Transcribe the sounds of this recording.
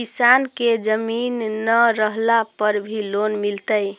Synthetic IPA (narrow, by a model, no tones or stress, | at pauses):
kisanked͡ʒəminːəɾəɦlapəɾbʱilonmilt̪əj